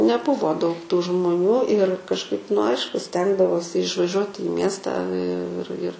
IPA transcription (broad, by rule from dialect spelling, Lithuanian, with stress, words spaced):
nʲɛˈbʊʋoː dɐʊk tuː ʒmʊˈnʲuː ɪr kɐʃˈkɐɪp nʊ ˈɐɪʃkʊ ˈsʲtʲɛŋɡdɐʋoːsʲɪ ɪʃʋɐˈʒʲuɔt ɪ ˈmʲiɛstɑː ɪ ɪr ɪr